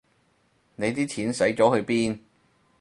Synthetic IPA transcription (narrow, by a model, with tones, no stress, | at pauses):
ne˨˧jt̪iː˥tʰiː˨˥nsɐ˨˥jt͡ʃɔː˨˥hɵ˧ɥpiː˥n